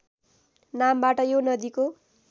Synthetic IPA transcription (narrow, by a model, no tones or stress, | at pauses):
nambaʈʌjonʌd̪iko